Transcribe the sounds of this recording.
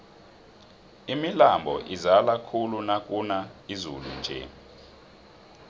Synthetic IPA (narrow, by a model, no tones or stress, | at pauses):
imilambʱɔ̰ʔizalakʰulunakʼunaizṵlṵnd͡ʒʱɛ̰